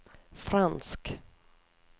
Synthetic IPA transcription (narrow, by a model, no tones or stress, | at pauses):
fɾansk